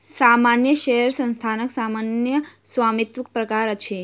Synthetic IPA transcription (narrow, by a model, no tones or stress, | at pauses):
samanjəʃɛɦɛɾsə̃nst̪ʰanəksamanjəsʋamit̪ʋək̚pɾəkaɾət͡ʃʰe